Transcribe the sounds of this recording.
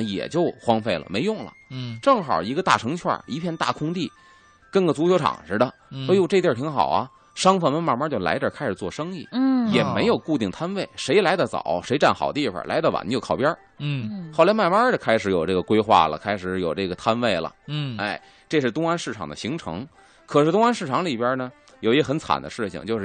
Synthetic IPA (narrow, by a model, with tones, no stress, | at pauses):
jɛ̰˨˩t͡ɕjo˥˧ʊxwɑ˥ŋfe˥˩ɪlə̰˩me˧˥ɪjʊ˥˩ŋlə̰˨˩ʈ͡ʂɤ˥˩ŋxɑ̰˨˩i˧˥ɡə˧t̪a̰˥˩ʈ͡ʂʰɤ˧˥ŋt͡ɕʰwa̰˥˩i˧˥pʰjɛ˥˧nt̪a̰˥˩kʰʊ˥ŋt̪i˥˩ | kə˥nɡə˩t͡su˧˥t͡ɕʰjo˧˥ʈ͡ʂʰɑ̰˨˩ŋʂɻ̩˥d̪ə˧ | ə˧˥jo˥˧ʈ͡ʂɤ˥˧t̪jə˥˧˩t̪ʰi˧˥ŋxɑ̰˨˩ʊɐ˦ | ʂɑ˥ŋfə˥˩nmə˧˥nma˥˩ma˥t͡ɕjo˥˧ʊla̰˧˥ɪt̪jə˞˥˨˩kʰa˥ʂɻ̩˨˩t͡swɔ˥˩ʂɤ˥ŋi˥˩jɛ˨˩me˧˥ɪjo˨˩ʊku˥˧t̪i˥˩ŋt̪ʰa˥nwe˥˩ɪʂe˧˥ɪla˧˥d̪ə˧t͡sɑ̰˨˩˦ʂe˧˥ɪʈ͡ʂa˥˩nxɑ˨˩ʊd̪əi˥˩fə̰˨˩la̰˧˥ɪd̪ə˧˩wa̰˨˩n˧t͡ɕjo˥˧ʊkʰɑ˥˩ʊpjɐ˥ | xɑ˥˩la˧˥ɪma˥˧ɪma˞˥ə˨kʰa˥ɪʂɻ̩˧˥jo˨˩ʊʈ͡ʂɤ˥˩ɡə˩kwe˥ɪxwa̰˥˩lə̰˩kʰa˥ɪʂɻ̩˧˥˩jo˨˩ʊʈ͡ʂɤ˥˩ɡə˩t̪ʰa˥nwe˥˩ɪlə̰˩e˥˩ɪ | ʈ͡ʂɤ˥˧ʂɻ̩˥˩t̪ʊ˥ŋa˥nʂɻ̩˥˩ʈ͡ʂʰɑ˨˩ŋd̪ə̰˦ɕi˧˥ŋʈ͡ʂʰɤ̰˧˥ŋ | kʰɤ˨˩ʂɻ̩˥˩t̪ʊ˥ŋa˥nʂɻ̩˥˩ʈ͡ʂʰɑ˧˥ŋli˨˩pja˥nə˨ | jo˨˩ʊi˥xə˧˥nt͡sʰa̰˨˩nd̪ə̰˦ʂɻ̩˥˧ɕḭ˧˩ŋt͡ɕjo˥˧ʊʂɻ̩˥˧˩